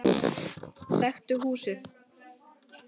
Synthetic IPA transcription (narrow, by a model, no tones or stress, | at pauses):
θɛxt̪ʏɦuːsɪθ